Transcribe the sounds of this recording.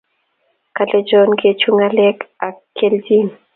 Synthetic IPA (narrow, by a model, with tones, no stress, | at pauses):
ka˨lɛd͡ʒɔ˦nket͡ʃu˦ŋa˦lɛka˨kːe˦ldi˦n